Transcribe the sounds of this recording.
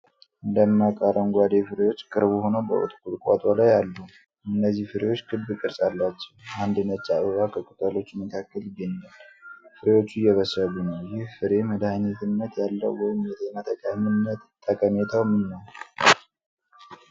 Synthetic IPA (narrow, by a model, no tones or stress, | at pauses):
ʔɨnd̪əmːakʼaɾənɡʷad̪e̞fɨɾewo̞t͡ʃːkʼɨɾbuhonəwbə̰ʔo̰t̪ʼkʰʼulkʷʼa̰t̪ʼalajalːə | ɨnːəzːihfɨɾe̞wot͡ʃːkʰɨd̪bɨkʼɨɾsʼalːat͡ʃːɛwand̪ɨnət͡ʃʼːaʔɨβakʰəkʼɨk̪ʼəlo̞t͡ʃːməkʰakːəlɪɡːəɲːalfɨɾe̞wo̞t͡ʃːujɛβəsəlunəwjɪhfɨɾe̞məd̪ahanit̪ʰɨnːət̪jalːə̰wːɔjɪmjɛt̪ʰenat̪ʰəkʼaminːət̪t̪ʰʼːəkʼəmet̪ʰawmɨnːəw